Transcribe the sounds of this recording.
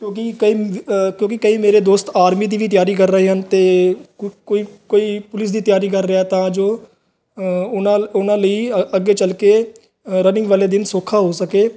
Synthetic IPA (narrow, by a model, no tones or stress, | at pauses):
kjõːk̬ikəiːkjõːkɪkəiːmeːɾeːd̪oːst̪aːɾmiːd̪iːʋiːt̪jaːɾiːkəɾːəɦeːɦənt̪eː | koːikoːiːpʊlɪsd̪iːt̪jaːɾiːkəɾːɪat̪ãːd͡ʒoː | ʊnãːʊnãːləiːəɡeːt͡ʃəlkeː | ɾənɪ̃ŋɡʋaːleːd̪ɪnsoːkʰaːɦoːsəkeː